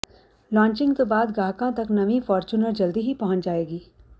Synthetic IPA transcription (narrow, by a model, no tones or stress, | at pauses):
lãːɲt͡ʃɪ̃ŋɡt̪obaːd̪ɡaːɦkãt̪ɐknɐʋĩfɔːɾt͡ʃuːnəɾd͡ʒɐld̪iɦipɐɦʊ̃ɲt͡ʃd͡ʒaːeːɡiː